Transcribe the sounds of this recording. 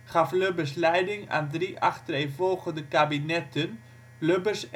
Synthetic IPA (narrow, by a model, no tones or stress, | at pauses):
χɑfløbəslɛjdɪŋa̰ːndriʔɑχtrejvɔlˠχəndəkabinɛtən | løbəs